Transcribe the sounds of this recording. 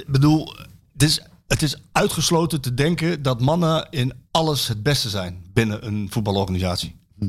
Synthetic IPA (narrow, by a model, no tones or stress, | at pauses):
bədulˠ | dɪs | ətɪsœɥtχəslowtətədɛŋkədɔtmɑnəɪnɑləsɦəd̚bɛstəzɛjnbɪnəʔənfut̚bɑlˠɔɹχanizaːtsji̥